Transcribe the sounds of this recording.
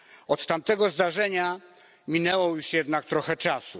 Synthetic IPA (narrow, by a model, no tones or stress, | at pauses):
ɔt̪t̪amt̪ɛɡɔzd̪aʐɛɲa | mʲinɛwɔjuʂjɛd̪nakt̪ɾɔxɛt͡ʂasu